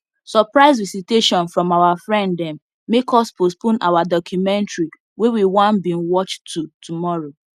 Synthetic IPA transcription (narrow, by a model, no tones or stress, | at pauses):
sɔpɹaɪzvisiteʃɔ̃nfɹɔ̃mawafɹɛ̃nddɛ̃mː | ekɔspospõna̰wadɔkjumɛ̃ntɹi | wewiwãnbĩnwɔt͡ʃtʰːutʰumɔɹo